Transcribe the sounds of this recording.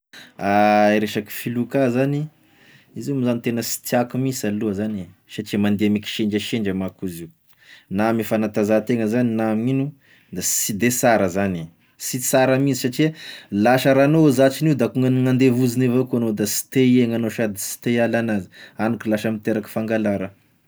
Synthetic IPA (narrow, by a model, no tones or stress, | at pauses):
aiɾeʃaki̥filukazani | iziumizanit̪enəsi̥t̪iakumisaluəzanisaʈ͡ʂiəmand̪eameki̥ʃeɳɖ͡ʐəʃeɳɖ͡ʐamakuziu | namifanat̪azat̪eŋəzaninaminu | d̪asid̪esaɾəzani | sisaɾəmizi̥saʈ͡ʂiəlaʃəɾanozat͡ʃiniud̪akuŋənŋand̪evuzinevokuanod̪asi̥t̪eieŋanoʃad̪isi̥t̪ealanazi̥anukilaʃəmit̪eɾaki̥faŋɡalaɾə